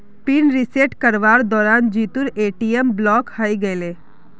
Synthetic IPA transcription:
pinɾiseʈkəɾʋaːɾd̪ɔːɾaːnd͡ʒiːt̪uɾeːʈijemblɔːkhaiɡəleː

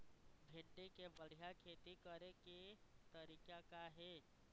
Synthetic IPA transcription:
bʱɪɳɖekebəɽ̤ijakʰeːt̪ikəɾeket̪əɾiːkakaɦeː

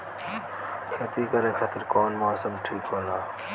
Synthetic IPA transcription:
kʰeːt̪iːkɐɾeːkʰɐt̪ɪɾkoːnmoːsəmʈʰiːkɦoːnaː

